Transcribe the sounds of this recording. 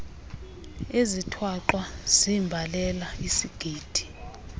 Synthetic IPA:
ezitʰwaǃwaz̥imbʱalɛlaisiɡ̥ʱiːd̥ʱi̥

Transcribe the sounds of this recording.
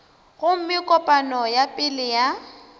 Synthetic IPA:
ɣʊm̩mɪkʼɔpʼanɔjapʼɪlɪja

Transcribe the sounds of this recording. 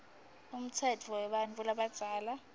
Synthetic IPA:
um̩t͡sʰɛtʰuɔwɛɓanvulaɓad̥z̥ʱaːla

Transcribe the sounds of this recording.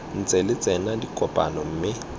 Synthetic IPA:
n̩t͡sʼɛlɪt͡sʼɛnadikʼɔpʼa̰nɔm̩ːmɪ

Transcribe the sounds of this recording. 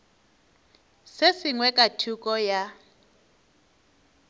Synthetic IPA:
sesiŋwɛkʼatʰukʼɔja

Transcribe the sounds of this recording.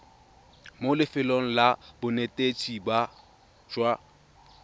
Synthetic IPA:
molɪfɪloŋ̩labʊnetʼet͡sʼiba | d͡ʒwa

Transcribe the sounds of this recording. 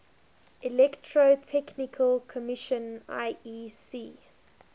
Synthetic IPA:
ʔilɛktʰɹotʰɛknɪkʰəlkʰɔmɪʃə̃na̰ɪisiː

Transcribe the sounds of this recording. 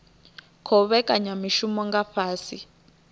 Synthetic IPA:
kʰɔβɛkʼaɲamiʃumɔŋɡaɸaːsi

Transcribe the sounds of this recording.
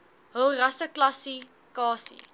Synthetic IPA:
ɦəlˠrɐsəklɐsi | kɑːsḭ

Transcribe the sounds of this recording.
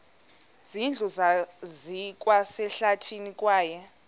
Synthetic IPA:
z̥ind͡ɮʱuzazik̬ʼwasɛɬatʰinikʼwaːjɛ

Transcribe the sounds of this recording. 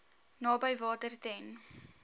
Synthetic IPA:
nɑːbəjvɑːtərtɛn

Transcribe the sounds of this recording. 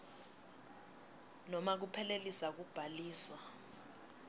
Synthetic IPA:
nɔmak̬upʰɛlelisak̬ub̥ʱaliːswa

